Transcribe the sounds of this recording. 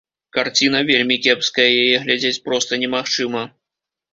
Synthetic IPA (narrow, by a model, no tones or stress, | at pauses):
kart͡sʲin̪ɐvʲelʲmʲikʲɛpskɐjɐjajɛɣlʲad͡zʲet͡sʲpɾɔst̪ɐnʲɛmaxt͡ʂɨmɐ